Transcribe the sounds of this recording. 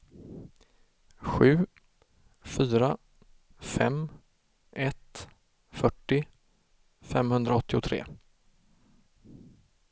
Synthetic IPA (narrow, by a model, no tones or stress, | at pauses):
ɧʉ̟ː | fyːɾa | fɛm | ʔɛt̪ | fœʈːɪ | fɛmhɵnd̪ɾaɔt̪ːɪʊt̪ʰɾḛː